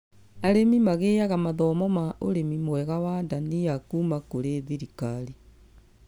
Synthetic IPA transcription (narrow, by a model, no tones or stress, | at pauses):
aɾemimaɣeːaɣamaðɔmɔmaʔoɾemimwɛɣawandaniakuːmakoɾeðiɾikaɾi